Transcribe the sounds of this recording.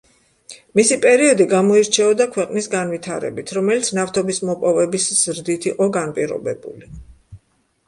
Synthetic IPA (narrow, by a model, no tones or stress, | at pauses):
misipʼɛɾiɔd̪iɡamɔiɾt͡ʃʰɛɔd̪akʰwɛqʼnisɡanvit̪ʰaɾɛ̰bit̪ʰɾɔmɛlit̪sʰnaft̪ʰɔbismɔpʼɔvɛbisz̥ɾd̪it̪ʰiqʼɔɡanpʼiɾɔ̰bɛbṵli